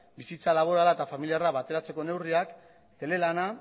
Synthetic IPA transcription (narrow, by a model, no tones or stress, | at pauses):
bisit͡salaβ̞o̞ɾalaet̪afamiliaraβat̪e̞ɾat͡se̞ko̞ne̞wriak | t̪e̞le̞lana